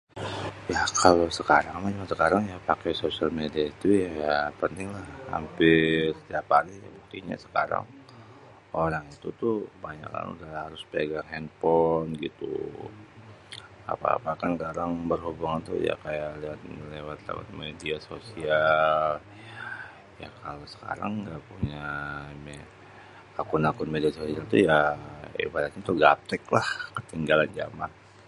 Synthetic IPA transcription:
jakʰalosəkaɾaŋmat͡ʃmasəkaɾaŋjapakɛsosialmediait̪ujapənt̪ɪŋlahha̰mpɪsə̥t̪iapalija̰buk̚t̪iɲa̰sə̥kaɾa̰ŋ | oɾaŋit̪ut̪ʊbaɲa̰ka̰n̰ṵdahaɾʊspeɡaŋhɛnpɔnɡit̪ṵ | a̰pa̰ːpakanɡaɾaŋbərhubuŋant̪ṵja̰kajaliwat̪̚lewat̪lḛwa̰t̪̚mediasosial | ja̰kʰalosə̥ka̰ɾa̰ŋɡapuɲame | akʊnakʊnmediasosialt̪ujaḭbadat̪̚ɲat̪uɡap̚t̪ɛklahkət̪iŋɡaland͡ʒa̰man

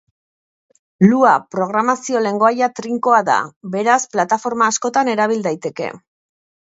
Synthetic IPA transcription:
luapɾo̞ɣɾamasio̞le̞ŋɡo̞ajat̪ɾiŋko̞aða̰be̞ɾasplat̪afo̞ɾmaːsko̞t̪ane̞ɾaβ̞ild̪ajt̪e̞ke̞̰

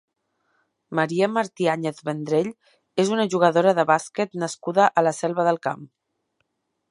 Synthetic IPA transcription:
məɾiəməɾt̪iaɲeθβənd̪ɾeʎ | ezunəʒuɣəðoɾəðəβasket̪nəskuðəʔələsɛlˠβəðəlˠka̰m

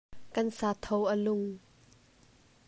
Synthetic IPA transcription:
kɐnsaːt̪ʰɔwʔəlʊŋ

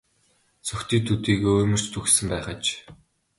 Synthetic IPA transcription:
t͡sʰɵxʲt̪iːk̚t̪ʰut̪iːɣeːɵːjmɵ̆r̥t͡ɕt̪ʰuxsɘ̆mpæːχə̆t͡ɕ

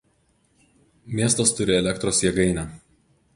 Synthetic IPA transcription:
mʲiɛst̪ost̪ʊɾʲɪɛlʲɛkt̪ɾoːsjɛɡɐɪnʲæː

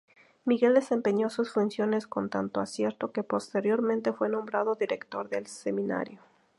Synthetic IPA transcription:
miɣe̞ld̪e̞se̞mpe̞ɲo̞susfunsjo̞ne̞sko̞nt̪ant̪oasje̞ɾt̪o̞ke̞po̞st̪e̞ɾjo̞ɾmẽnt̪e̞fwe̞nõ̞mbɾaðo̞ðiɾe̞kt̪o̞ɾðe̞lse̞mĩna̰ɾjo

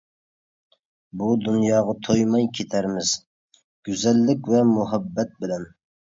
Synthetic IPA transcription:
bud̪unjɑːʁɑt̪ʰojmɑjkʲʰet̪ʰæɾmɪz̥ | ɡ̥ʲyzɛlːɪkʲvɛmuɦɛbːɛt̪̚bɪlɛn

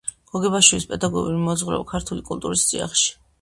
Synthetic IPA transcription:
ɡ̥ɔɡɛbaʃwilispʼɛd̪aɡɔ̰ɡṵlimɔd̪zʁɾɛ̰vakʰaɾt̪ʰulikʼult̪ʼuɾist̪sʼḭa̰χʃi̥

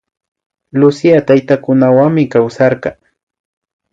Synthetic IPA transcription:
lʊsiat̪ajt̪akʊnawaŋmɪkawsɑɾɢɑ

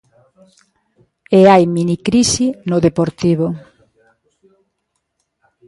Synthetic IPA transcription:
eajminikɾisinʊðepoɾt̪iβʊ

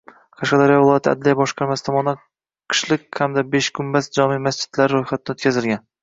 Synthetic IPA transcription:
qʰaʃqɑd̪aɾijɒvɪlˠɒjat̪ʰɪa̰d̪lijabɒʃqʰɑɾmasɪ̥t̪ʰɒmɒna | qʰɨ̥ʃlɪk̚ʲhamd̪abeʃkʰʊmbasd͡ʒɒmimasd͡ʒɪ̥d̪̥laɾɪɾojχat̪ʰɪnɪot̪̚kʰʲazɪlɡʲan

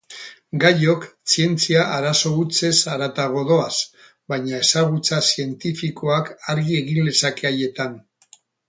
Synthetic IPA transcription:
ɡajo̞ksie̞nt͡siaʔaɾaso̞ut͡se̞saɾat̪aɣ̞o̞ðo̞as | bajɲae̞saɣ̞ut͡sasie̞nt̪ifiko̞akaɾɣie̞ɣind̪e̞sake̞aje̞t̪an

